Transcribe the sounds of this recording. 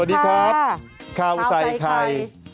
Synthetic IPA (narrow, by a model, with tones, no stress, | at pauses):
diː˦˧kʰɾaː˦˥p̚kʰaː˧˩wsa˨˩jkʰa˧j